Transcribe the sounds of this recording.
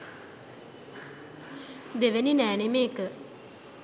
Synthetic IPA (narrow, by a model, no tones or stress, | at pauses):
d̪eʋeninæːnemeːkə